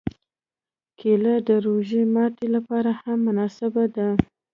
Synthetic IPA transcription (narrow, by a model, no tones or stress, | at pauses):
kʰeləd̪əɾoʒimɑʈelapɑɾahamːʊnɑsɪbad̪a